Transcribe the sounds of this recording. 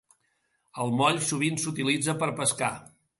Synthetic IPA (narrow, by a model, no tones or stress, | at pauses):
əlˠmɔʎsuβ̞insut̪ilid͡zəpəɾpəska